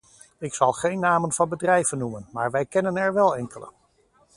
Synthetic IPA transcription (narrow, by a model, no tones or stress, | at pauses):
ɪksɑlˠχejnːaːmənvɑnbədrɛjv̥ənːumənmaːɹʋɛjkɛnənɛɹʋɛlˠɛŋkələ̰